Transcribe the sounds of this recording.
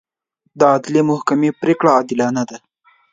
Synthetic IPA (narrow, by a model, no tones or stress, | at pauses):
d̪əɑd̪lemʊhkamepɾekɽaːd̪ɪlɑnad̪a